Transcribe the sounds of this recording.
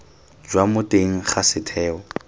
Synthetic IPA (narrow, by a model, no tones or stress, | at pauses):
d͡ʒwamʊtʼeŋ̩χasɪtʰɛːɔ